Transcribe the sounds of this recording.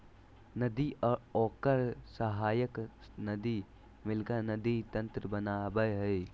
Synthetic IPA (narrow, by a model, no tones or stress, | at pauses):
nɐd̪iɔkɐɾsɐɦajəknɐd̪i | milɡanɐd̪it̪ɐnt̪ɾəbɐnabɐjɦɐj